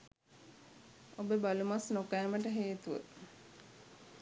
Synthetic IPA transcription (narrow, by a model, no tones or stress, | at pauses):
obəbalumasnokæːməʈəɦeːt̪uʋə̰